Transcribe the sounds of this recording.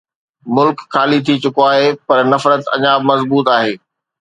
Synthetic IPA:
mʊlkxaːlit̪ʰit͡ɕʊkoaːɦepɐɾnɐfɾət̪ɐ̰ɲaːbmɐzbuːt̪aːɦeː

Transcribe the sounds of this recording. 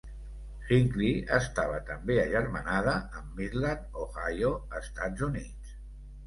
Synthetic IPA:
xiŋkliəst̪aβət̪əmbeəʒəɾmənað̞əːmːiɾlanoɣajoəst̪ad͡zunit͡s

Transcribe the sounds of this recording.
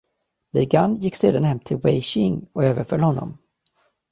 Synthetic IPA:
lɪɡanjɪkːseːd̪anhɛmːt̪ʰɪlwɛjɕɪŋɔøːvəɾfœlhɔnːɔ̰m

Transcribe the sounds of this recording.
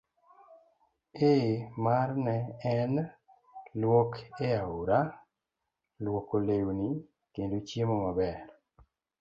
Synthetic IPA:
emarnɛɛn | lwɔkeauɾa | lwɔkolewni | kendot͡ʃjemomabɛɾ

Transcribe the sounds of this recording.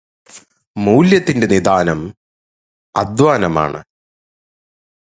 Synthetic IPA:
muwljɐt̪ːinde̞nid̪aːnɐm | ɐ̰d̪ʋaːnɐma̰ːɳɨ̰

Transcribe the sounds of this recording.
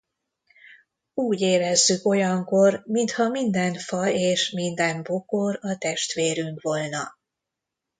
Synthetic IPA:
uːɟeːɾɛzːyko̞jɒŋko̞rmint̪hɒmind̪ɛnfɒeːʃmind̪ɛmbokoɾɒt̪ɛʃt̪ʋeːɾyŋkʋo̞lnɒ̰

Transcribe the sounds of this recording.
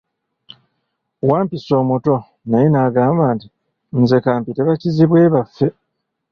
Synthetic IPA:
waːmpiso̞ːmuto̞ | najinaɡaːmbanti | nze̞kaːmpite̞βaciziβwe̞ːβafːe̞

